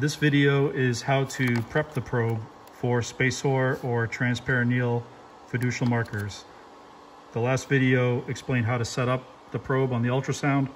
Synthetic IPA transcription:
ðɪsvɪɾioʊʔɪz̥haʊɾɨpʰɹ̥ɛp̚ðɨpʰɹ̥oʊb | fə˞speɪsɔɹə˞tʰɹ̥æ̃nspʰɛɹɨ̃nil̩ˠ | fɨdʉʃl̩ˠmɑɹkə˞z̥ | ðəlæstv̥ɪɾioʊɨksplẽɪ̃ndɦaʊɾɨsɛɾʌp̚ | ðəpʰɹ̥oʊb̃n̩ðiʌlˠtɹ̥ɨsãʊ̃nd̥

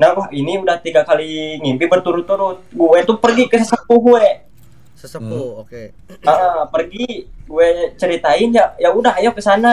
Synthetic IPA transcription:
nahwahiniudaht̪iɡakaliŋimbɪbərt̪uɾʊt̪ːuɾʊt̪̚ɡuɛt̪upərɡikəsəsəpuɦɡuɛ | səsəpuoke | əpərɡiɡuɛt͡ʃəɾit̪aɪnjajaudaɦjakəsana

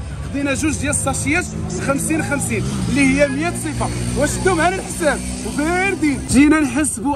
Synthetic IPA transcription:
xd̪inæʒʊzd̪jæləsˤːɑʃjæt̪sxæmsinxæmsinlːihəjːæməjæt̪sˤifɑwæʃt̪ːʊmʕæləlħsæb̚ | wbiɾd̪inʒinænħəsːbu

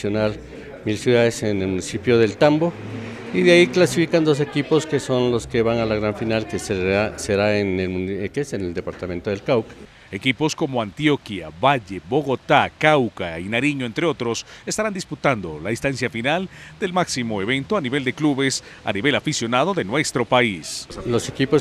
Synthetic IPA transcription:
jonal | milsjuðaðesenelmunisipjoðe̞lt̪ambo | iðeaiklasifikand̪os̬e̞kiposke̞so̞nloskeβanalaɣɾaɱfinalkeseaseɾaenekeseneld̪e̞paɾt̪ament̪oðe̞lkawka | e̞kipo̞sko̞mo̞ant̪jokjaβaʝe̞bo̞ɣo̞t̪akawkainaɾiɲoent̪ɾe̞o̞t̪ɾo̞se̞st̪aɾand̪isput̪and̪o̞̰laist̪ansjafinald̪e̞lmaksimo̞eβe̞nt̪oaniβe̞ld̪e̞kluβes | a̰niβe̞lafisjo̞naðo̞ðe̞nwe̞st̪ɾo̞paislose̞kipo

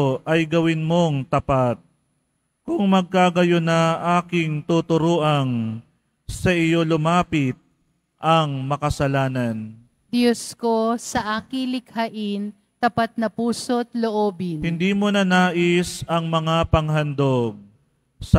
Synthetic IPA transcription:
ʔɐjɡɐwɪnmoŋt̪ɐpat̪̚ | kʊŋmɐɡ̚kaːɡɐjonɐʔaːkɪŋt̪ut̪ʊɾoːʔɐŋ | sɐʔɪjo̞lʊmaːpɪt̪̚ | ʔɐŋmɐkɐsɐlaːnɐn | d̪joskosɐʔaːkɪŋlɪkhaʔɪn | t̪ɐpat̪̚nɐpuːsot̪loʔoːbɪnhɪnd̪iːmonɐnaːʔɪsɐŋmɐŋapɐŋɦɐnd̪oɡ̚ | s

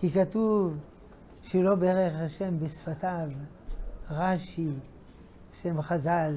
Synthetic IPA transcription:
kikatuv | ʃelo̞beʁeχaʃe̞mbesfatav | ʁaʃi | ʃemχazal

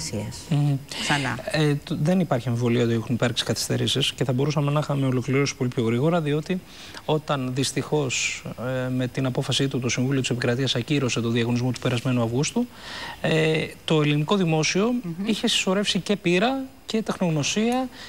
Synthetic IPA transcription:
siɐsm̩θɐnɐ̰ðe̞nipɐɾçie̞ɱvo̞liɐot̪iexunipɐɾksi̥kɐθi̥st̪e̞̰ɾisisce̞θɐbo̞ɾusɐme̞nɐxɐmeolo̞kliɾo̞si̥po̞lipʰço̞ɣɾiɣo̞ɾɐðio̞t̪i | o̞t̪ɐnðist̪ixo̞s | me̞t̪inɐpo̞fɐsit̪ut̪o̞siɱvulioisepikɾɐt̪iɐsɐciɾo̞se̞t̪oðiɐɣo̞nizmo̞t̪u̥pe̞ɾɐzme̞nuɐvɣust̪u | et̪o̞e̞liniko̞ðimo̞sio̞içe̞si̥so̞ɾe̞fsice̞piɾɐ | ce̞t̪exno̞ɣno̞siɐ

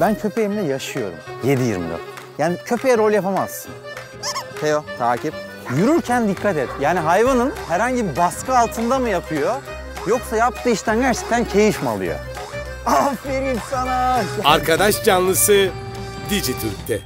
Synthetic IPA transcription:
bæncʰø̞pʰejemd̪ɛjaʃɯjo̞̰ɾṵmje̞d̪ijḭɾmd̪o̰jaːnicʰø̞pʰejɛɾolʲˠjapamaz̥sɯ̰n | hejot̪ʰaːcʰip̚ | jyɾyɾcʰænd̪ikʰːat̪ɛt̪jaːniɦajvanɯnhæɾhaɲɟibibaskʰɯalˠt̪ʰɯnd̪amɯjapʰɯjo̞ | joksajap̚t̪ʰɯːiʃt̪ʰænɟæɾt͡ʃʰɛ̥c̚t̪ʰæncʰe̞jiʃma̰lˠɯ̰jo̰ | afiɾimsanaaɾkʰad̪aʃd͡ʒanlˠɯsɯ | d̪id͡ʒit̪ʰyɾc̚t̪ʰɛ

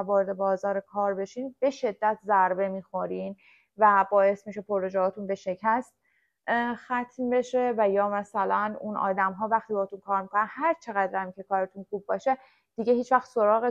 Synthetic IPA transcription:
vɒːɾed̪e̞bɒːzɒːɾekʰɒːɾbe̞ʃiːnbe̞ʃe̞d̪ːæt̪ʰzæɾbe̞miːxo̞ɾiːn | væbɒːje̞smiʃe̞pʰoɾːod͡ʒɛɦɒːt̪ʰunbe̞ʃe̞cʰæst̪ | xæt̪ʰmbe̞ʃe̞væjɒːmæsælænunʔɒ̰ːd̪æmɦɒːvæxt̪ibɒːht̪unkʰɒːɾmikʰonænhæɾt͡ʃʰe̞ɣæd̪ɾæmcʰe̞kʰɒːɾet̪ʰunxuːbːɒːʃe | d̪̥iɟeɦiːt͡ʃʰvæxt̪so̞ɾɒːɣe

